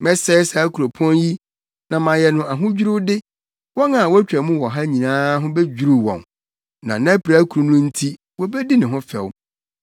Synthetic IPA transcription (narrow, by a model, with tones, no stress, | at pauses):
mɛ˦sɛ˦sɛ˨˦kʰu˨ɾo˨pʰɔ̃˦nji˦ | nã˨mã˨jɛ˨nʊ̃˨a˨ɦʊ̃˦d͡ʑᶣu˦ɾʊ˦dɪ˦ | wɔ˦na˨wɔ˦æ˦t͡ɕᶣa˨mũ˦wɔ˨ɦa˦ɲĩ˨nãː˦ɦʊ̃˦be˦d͡ʑᶣu˦ɾu˦˨wɔ̰̃˨n | nã̰˨nã˦pɾa˦kʰu˨ɾu˨nʊ̃˦n̩˦tʰi˦ | wɔ˦bɛ˦di˦nɪ̃˨ɦʊ̃˦fɛ̰˨w